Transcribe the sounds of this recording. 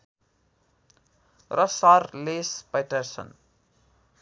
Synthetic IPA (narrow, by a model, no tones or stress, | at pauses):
rʌsarlespajʈʌrsʌ̰n